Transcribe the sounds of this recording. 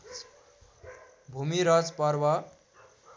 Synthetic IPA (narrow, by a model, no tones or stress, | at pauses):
bʱumiɾʌd͡zpʌɾwa